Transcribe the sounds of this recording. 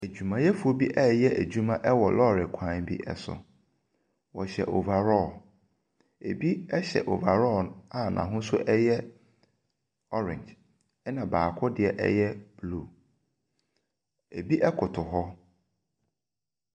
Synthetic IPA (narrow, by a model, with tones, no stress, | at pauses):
æ˨d͡ʑᶣu˨mã˨jɛ˦fu˨o˨bi˦ʔɛ˦˨jɛ˦ʔæ˨d͡ʑu˦mã˦ʔɛ˦wɔ˨lɔ˦˨ɾɪ˨kʷʰã˨nbḭ˦ʔɛ̰˨sʊ̰˨ | wɔ˨ɕɛ̰˨ʔo˨va˨ɾɔ˦˨ | e˨bi˦ɛ˦ɕɛ̰˨ʔo˨va˨ɾɔ˦˨a˦˨nʔã̰˨ɦʊ̃˦sʊ˦ʔɛ˦jɛ˦ | ɔ˦ɾɪ̰̃˨ɲd͡ʒ | ɛ˦nã˨baː˨kʰɔ˦dɪ˨ɛ˨ʔɛ̰˦jɛ˦b̥lu˦˨ | e˨bi˦ʔɛ˦kʰʊ˨tʰʊ˨ɦɔ˦